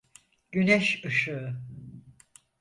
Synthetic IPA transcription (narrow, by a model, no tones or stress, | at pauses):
ɟ̥ynɛʃɯʃu